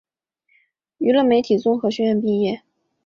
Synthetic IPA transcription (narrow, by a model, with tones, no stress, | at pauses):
y˧˥lə˥˩nme˧˥ɪt̪ʰi˨˩t͡sʊ˥ŋxɤ˧˥ɕɛ˥ɥɛ˥˧npi˥˧jɛ˥˩